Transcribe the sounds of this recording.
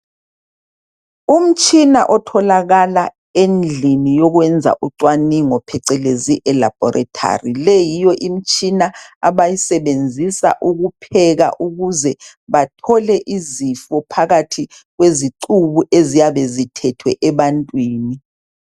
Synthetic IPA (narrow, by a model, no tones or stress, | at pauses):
um̩t͡ʃʼinaʔɔtʰɔlaɣala | end͡ɮʱinijɔɣwɛnd͡zʱa̰ʔuǀwaniŋɔpʰɛǀɛleziʔɛlab̥ʱɔɾʔatʰa̰rilejijɔʔim̩t͡ʃʼinaaβajisɛβend͡zʱisa̰ʔuɣupʰɛɣa̰ʔuɣuzɛ | βatʰɔlɛʔizifɔpʰaɣatʰi | ɣweziǀuβuʔezijaβezitʰɛtʰwɛʔɛβantʼwiːni